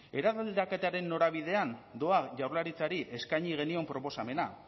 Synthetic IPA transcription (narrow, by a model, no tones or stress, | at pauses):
e̞ɾaðald̪ake̞t̪aɾe̞nːo̞ɾaβ̞ið̞e̞and̪o̞aʝawɾlaɾit͡saɾiʔe̞skajɲiɣ̞e̞nio̞mpɾo̞po̞same̞na